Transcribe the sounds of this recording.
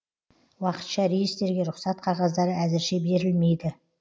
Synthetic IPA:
wɑqə̥t̪ʃɑɾejest̪e̞ɾɡʲe̞ɾʊqsɑt̪qʰɑʁɑzd̪ɑɾəæzɪɾʃe̞be̞ɾɪlme̞jd̪ɪ

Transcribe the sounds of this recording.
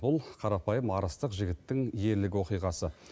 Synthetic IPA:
bʊlˠqʰɑɾɑpɑjəmɑɾəst̪əqʒɪɡʲɪt̪ːɪŋje̞ɾlɪɡʲwo̞qijʁɑsə

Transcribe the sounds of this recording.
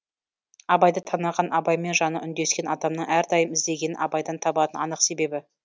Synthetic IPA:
ɑbɑjd̪ət̪ʰɑnɑʁɑnʔɑbɑjme̞nʒɑnəʔʏnd̪e̞skʲe̞nɑd̪ɑmnəɴʔæɾd̪ɑjəmɪzd̪e̞ɡʲe̞nɪnɑbɑjd̪ɑnt̪ʰɑbɑt̪ənɑ̰nəqse̞be̞bɪ

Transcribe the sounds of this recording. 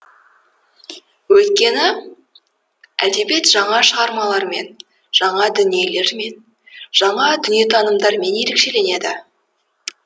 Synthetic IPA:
wɵjt̪̚kʲe̞nɪ | æ̰ld̪e̞be̞t̪ʒɑɴɑʃəʁɑɾmɑlˠɑɾme̞̰n | ʒ̥ɑɴɑd̪ʏnije̞le̞ɾme̞n | ʒ̥ɑɴɑd̪ʏnije̞t̪ʰɑnəmd̪ɑɾme̞nje̞ɾe̞kʃe̞le̞ne̞d̪ɪ

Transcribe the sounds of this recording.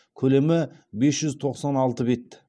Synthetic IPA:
kʲʰɵle̞mɪbe̞sʒʏzt̪ʰo̞qsɑnɑlˠt̪əbe̞t̪ːɪ̥

